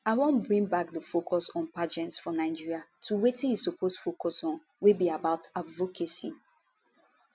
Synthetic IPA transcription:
aɪwɔ̃nbɹĩŋbak̚dəfokʰɔsɔ̃npad͡ʒɛ̃ntsfɔnaɪd͡ʒiɹiatʰuwetĩnisopʰosfokɔsɔ̃n | wibiabaʊtadvokʰesi

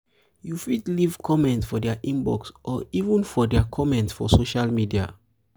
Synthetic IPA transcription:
jufidlivkʰɔmɛ̃ntsfɔdɛaʔĩmbɔ̰ksʔɔivə̃nfɔdɛakʰɔmɛ̃ntsfɔsoʃalmidia̰

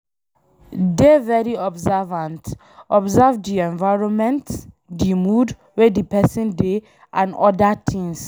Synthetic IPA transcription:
devɛɾiɔbzɛvãnt | ɔbzɛvdiɛ̃nvaɹɔ̃nmɛ̃nt | dimud | wɛdipɛsɔ̃nde | ʔãnɔdatʰĩŋs

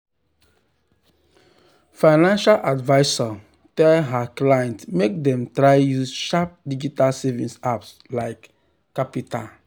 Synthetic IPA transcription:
faɪnãnʃalʔadvaɪsa | tɛlɦaklajɛ̃ntmek̚dɛ̃mtɹaɪjusʃap̚did͡ʒitalsɛvĩnsaps | laɪkː | apita̰l

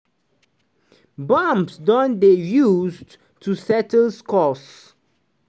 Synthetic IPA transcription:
bãmpsdɔ̃ndejuzd | tʰusɛtl̩skɔs

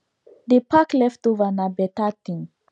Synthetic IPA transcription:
dipaklɛftovanabɛtatĩŋ

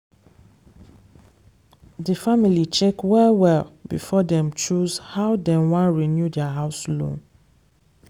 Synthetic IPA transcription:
dəfamilit͡ʃɛkwɛwɛlbḭfɔdɛ̃mt͡ʃuzhawdɛ̃nwãnɹinjudɛaɦaʊslõ̰n

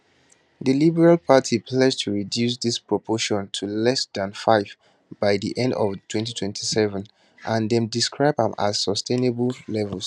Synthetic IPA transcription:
ðəlibɛɹalpʰatʰipʰlɛd͡ʒtʰuɹidjusðispɹɔpʰɔʃɔ̃ntʰulɛsdãnfaɪv | baɪðḭʔɛ̃ndɔv̥tʰwɛ̃ntitʰwɛ̃ntʰisɛvə̃n | ʔãndɛ̃mdiskɹaɪbãma̰z̥sɔstʰẽnebəllɛvəlˠs

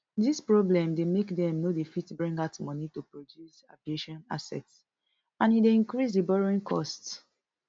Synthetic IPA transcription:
dispɹɔblɛ̃mdemekdɛ̃mnodefitbɹĩŋɡatmɔnitupɹodjusa̰vieʃɔ̃na̰sɛ̰ts | ãnideĩnkɹis̬debɔɹoĩŋkʰɔ̰st

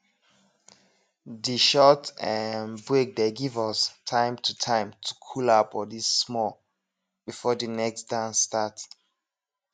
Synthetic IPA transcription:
diʃɔtɛnbɹek̚deɡivɔstʰãɪ̃mtʰutʰãɪ̃mtʰu̥kʰulapɔdisːmɔl | b̥ifɔdinɛksdãnstat

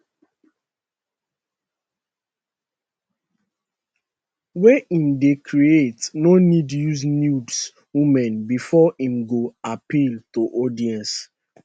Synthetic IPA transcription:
wɛʔĩmdekʰɹietnonidjuznjuds | wĩmɛ̃nbifɔĩmɡoapiltoʔɔdiɛ̃ns

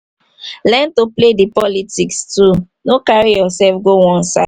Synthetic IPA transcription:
lɛntopledipɔlitikstu | nokaɹijɔsɛlfɡowɔ̃nsa̰

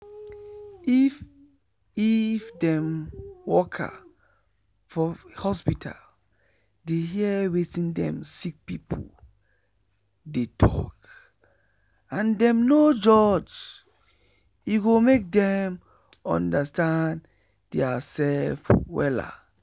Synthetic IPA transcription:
if | ifdɛ̃mwɔkʰa̰ | fɔhɔspitʰa̰l | deɦiɛwetĩndɛ̰̃msik̚pipʰṵl | detʰɔ̰k | ãndɛ̃mnod͡ʒɔd͡ʒ | juɡomek̚dɛ̃m | ɔ̰̃ndastãn | d̥ɛasɛlfwɛ̰la̰

